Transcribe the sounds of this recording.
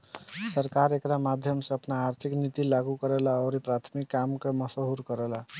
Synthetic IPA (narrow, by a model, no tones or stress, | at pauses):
səɾkaɾekɾamad̪ʱjəmsẽəpnaːɾt̪ʰiknit̪ilaɡukəɾelaɔɾipɾat̪ʰmikːamkeməsoɦuɾkəɾela